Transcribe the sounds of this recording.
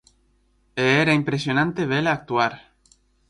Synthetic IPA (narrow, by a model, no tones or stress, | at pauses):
eeɾaimpɾesjonãnt̪eβelaːk̚t̪uaɾ